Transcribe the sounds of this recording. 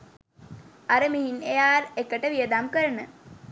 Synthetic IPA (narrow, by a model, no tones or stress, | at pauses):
aɾəmiɦinejaːrekəʈəʋiəd̪amkəɾənə